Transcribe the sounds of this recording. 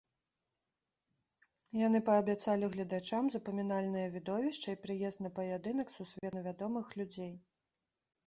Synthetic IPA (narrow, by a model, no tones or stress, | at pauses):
janɨpɐːbʲat̪salʲiɣlʲɐd̪at͡ʂamzɐpɐmʲinalʲnɨjɐvʲid̪ɔvʲiʂt͡ʂɐipɾɨjɛst̪nɐpɐjad̪ɨnɐksusʲvʲɛnɐvʲad̪ɔmɨxlʲud͡zʲej